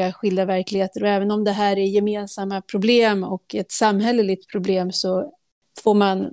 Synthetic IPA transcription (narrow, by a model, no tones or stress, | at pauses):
aɧɪld̪avæɾklɪheːt̪əɾɔɛːvənɔmd̪ɛɦæːɾæɾjɛmeːnsamːapʰɾʊbleːmɔkɛt̪samːɦɛlːəlɪɡ̚t̪pʰɾʊbleːmsɔ | foːɾman